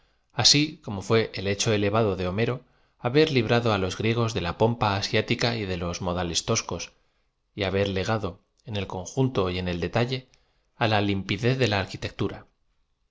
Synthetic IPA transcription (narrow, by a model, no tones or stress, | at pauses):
asiko̞mo̞fwe̞ʔele̞t͡ʃo̞e̞leβ̞aðo̞ðe̞o̞me̞ɾo̞ | aβe̞ɾliβ̞ɾaðoalo̞zɣɾje̞ɣ̞o̞zðe̞lapo̞mpaːsjat̪ikaiðe̞lo̞zmo̞ðale̞st̪o̞sko̞s | iaβe̞ɾle̞ɣ̞aðo̞ | e̞ne̞lko̞ŋxunt̪o̞je̞ne̞ld̪e̞t̪aʎe̞ | alalimpiðe̞θðe̞laːɾkit̪e̞k̚t̪uɾa